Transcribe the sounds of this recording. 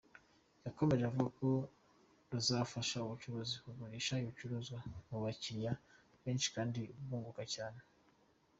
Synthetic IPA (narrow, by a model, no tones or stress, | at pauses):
jako̞me̞ʒeavuɡako̞ | nuzafaʃauβut͡ʃuβozihuβoɾiʃaiut͡ʃuɾozwamuβaciɾja | βe̞ːnt͡ʃi̥kaːndiβuːŋɡukacaːne